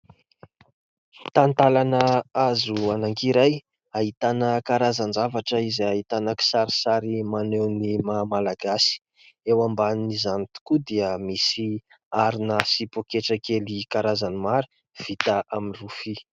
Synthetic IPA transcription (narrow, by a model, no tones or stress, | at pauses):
t̪ant̪alanəazuanaŋkiɾaj | aɦit̪anəkaɾazanzavaʈ͡ʂəizaɦit̪anəki̥saɾisaɾimanewnimamalaɡasi̥ | ewambannizanit̪u̥kud̪eəmisi | aɾinəsipokeʈ͡ʂakelikaɾazanimaɾi̥ | v̥it̪aʔaminrufi